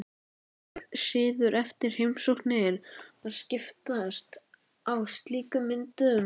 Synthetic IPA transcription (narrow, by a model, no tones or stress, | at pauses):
sɪːðʏɾɛft̪ɪɾ̥hejmsowhknɪɪɾaðscɪft̪aðast̪ | awst̪liːkʏmɪnt̪ʏʏm